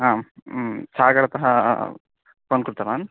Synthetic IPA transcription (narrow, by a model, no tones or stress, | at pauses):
ɦãː | saːɡɐɽɐt̪ɐɦɐ | ponkɾut̪ɐɾaːn